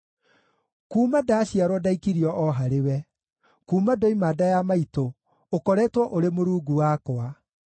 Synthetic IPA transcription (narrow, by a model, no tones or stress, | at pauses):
kuːmadaːɕiaɾwɔdaikiɾiɔʔɔɦaɾewɛ | kuːmadɔimaːdajamaito | okɔɾɛːtwɔʔoɾemoɾuːɡuwakoa